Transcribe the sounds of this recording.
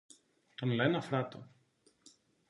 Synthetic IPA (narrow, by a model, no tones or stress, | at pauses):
t̪onlɛnɐfɾat̪o